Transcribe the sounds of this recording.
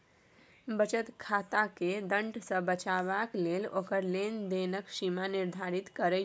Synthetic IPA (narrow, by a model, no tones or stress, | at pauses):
bət͡ʃət̪kʰat̪aked̪ə̃ɳɖsə̃bət͡ʃaβaklelokəɾlend̪enəkʃimaniɾd̪ʱaɾit̪kəɾɛ